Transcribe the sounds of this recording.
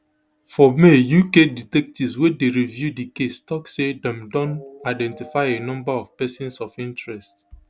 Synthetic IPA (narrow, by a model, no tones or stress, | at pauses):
fɔmejukeditɛk̚tiswedeɹivjudikestɔksedɛ̃mdɔ̃naɪdɛ̃ntifaɪenɔ̃mbaɔvpɛsɔ̃nsɔfĩntɹɛst